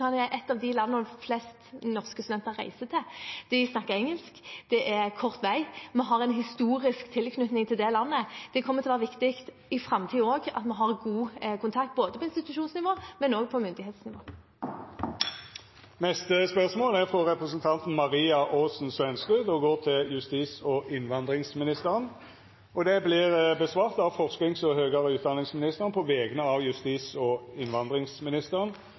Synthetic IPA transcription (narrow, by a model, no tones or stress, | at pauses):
ɑnɛɾʔɛt̪ːɑʋd̪ɪlɑnːəflɛst̪nɔʁskəst̪ʉd̪ɛnt̪əʁæ̰ɪsət̪ʰɛd̪̥ɪsnɑkːəɾɛŋəlskd̪̥ɛʔæʁkʰɔʁt̪ʋæɪmɛɦɑʁɛnɦɪst̪uːʁɪskt̪ʰɪlkʰnʉt̪nɪŋt̪ʰɪld̪ɛlɑnːəd̪̥ɛkʰɔmːət̪ʰɪlɔʋːʁʋɪkt̪ɪkt̪ | ɪfɾɑmt̪ʰiːoːɡɑ̰t̪mɛɦɑʁɡuːkʰʊnt̪ʰɑkt̪̚boːd̪əpʰɔɪnst̪ɪt̪ʉʃuːnsnɪʋoːmɛnoːɡ̚pʰɔmʏnd̪ɪheːt̪snɪʋo̰ː | nɛst̪əspœʁsmoːlæʁfʁɔʁɛpʁəsənt̪ʰɑnt̪n̩mɑʁiːɑʔoːsn̩sʋɛnskʉd̪ɔɡoːʁt̪ʰɪljʉst̪iːsɔʔɪnʋɑnd̪ʁɪŋsmɪnɪst̪əʁən | ɔd̪ɛblɪʁbəsʋɑːʁt̪ɑʋfɔʁsknɪŋsɔhøːɡəʁəʉːt̪̚d̪ɑnɪŋsmɪnɪst̪əʁnpʰɔʋɛːɡənəɑʋjʉst̪iːsɔɪnʋɑnd̪ʁɪŋsmɪnɪst̪əʁən